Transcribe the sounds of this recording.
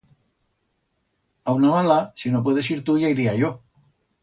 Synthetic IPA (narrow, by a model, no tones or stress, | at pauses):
awnamalasinop̬we̞ð̞e̞siɾt̪uʝaiɾiaʝo̞